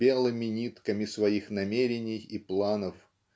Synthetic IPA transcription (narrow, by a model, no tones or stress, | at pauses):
elˠɨmʲɪnʲit̪kəmʲɪsvɐixnɐmʲeɾʲɪnʲɪjiplˠanəf